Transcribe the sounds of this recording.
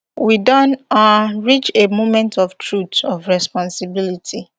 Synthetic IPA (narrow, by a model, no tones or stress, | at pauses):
widɔ̃naɹit͡ʃemomɛ̃ntɔftʰɹutɔvɹɛspɔ̃nsibilitʰi